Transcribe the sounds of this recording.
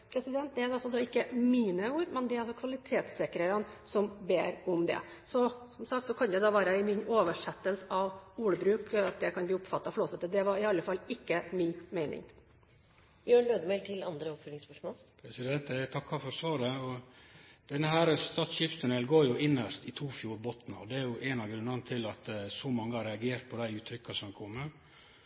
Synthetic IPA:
pʰɾɛsɪd̪ɛnt̪̚d̪ɛæɾd̪ɛɑlsɔsɔɪkːəmiːnəuːɾmɛnd̪ɛɾɑlsɔkʰʋɑlɪt̪ʰeːt̪sɛkɾəɾənsɔmbḛːɾɔmd̪ɛ̰ | sɔsɔmsɑkt̪sɔkʰɑnd̪æd̪ɑːʋæːɾəɪmɪnoːʋəʂɛt̪ːəlsəɑʋuːɽəbɾʉːkɑt̪̚d̪ɛkʰɑnbliːʊpfɑt̪ːɑfloːsət̪ːəd̪ɛʋɑɾɪɑlːəfɑlɪkːəmɪnmeɪnɪ̰ŋ | jøːɳløːd̪əmɛɪlt̪ʰɪlɑ̰nd̪ɾəɔpfœːlɪŋspœʂmoːlpʰɾɛsɪd̪ɛnt̪æt̪ʰɑkːɑɾfɔɾsʋɑːɾɛɔ | d̪̥ɛnːəɦæːɾst̪ɑːt̪sʃiːpst̪ʰʉnɛlɡoːɾjʊʔɪnːəʂt̪ɪt̪ʰuːfjuːɾbɔt̪n̩ɔd̪ɛæɾjʊʔɛnɑʋɡɾʉnɑnət̪ʰɪlɑt̪sɔmɑŋːəhɑɾɛɑɡeːɾt̪̚pʰɔd̪æɪʉːt̪ʰɾʏkːɑsɔmkʰɔmːə

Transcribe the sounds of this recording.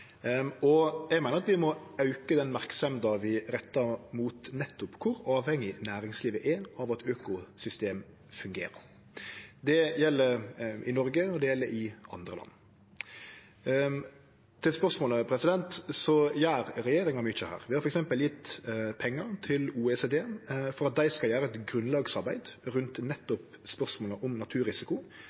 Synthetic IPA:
ɔjæɡmæɪnəɾɑt̪ʋɪmɔɑʉkəd̪ɛnmæɾksɑmd̪ɑʋɪɾɛt̪ːɑmuːt̪nɛt̪ːʊpkʰʊɾɑːʋhɛŋːɪnæːɾɪŋsliːʋəʔɛɑʋɑt̪øːkʊsʏst̪eːm | fʉŋɡḛːɾə̰ɾ | d̪ɛjɛlːəɾʔɪnɔɾɡəɔd̪ɛjɛlːəɾɪɑ̰nd̪ɾəlʔɑ̰nː | t̪ʰɪlspœʁsmoːləpʰɾɛsɪd̪ɛnt̪sɔjæːɾɾɛjeːɾɪŋɑmʏt͡ʃːəhæ̰ːɾʋɪhɑɾfɔɾɛksɛmpəljɪt̪ːpʰɛŋːəɾt̪ʰɪluːɛseːd̪eːfɔɾɑt̪̚d̪æɪskɑljæːɾəɛt̪ɡɾʉnlɑːɡsɑɾbæɪd̪ɾʉnt̪nɛt̪ːɔp | spœʁsmoːləʔɔmnɑt̪ʰʉːɾɪsɪkʊ

